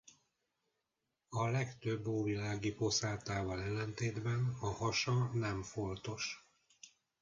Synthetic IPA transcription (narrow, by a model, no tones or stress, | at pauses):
ɒlɛkt̪øbːoːvilaːɡipo̞saːlt̪aːvɒlɛlːɛnt̪eːd̪bɛnɒhɒʃɒnɛmfo̞nt̪o̞ʃ